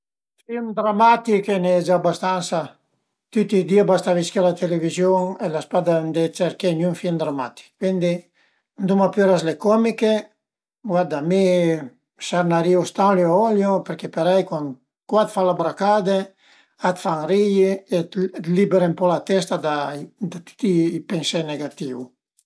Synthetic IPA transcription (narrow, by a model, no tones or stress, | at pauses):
fimd̪ɾamat̪ikenɛd͡ʒabast̪ansa | t̪yt̪ːid̪iabast̪aviskelat̪elevizjoŋelaspad̪and̪et͡ʃeɾkenjuŋfimd̪ɾamat̪i̥kkːwind̪i | nd̪umapøɾaslekɔmike | ɡwad̪ame | saɾnaɾiust̪ãŋleɔljopeɾkepeɾajkwaŋ | kwat̪falabɾakad̪e | at̪faŋrijiet̪t̪libeɾempɔlat̪ɛst̪ad̪ad̪at̪y̥t̪iːpensɛneɡat̪iw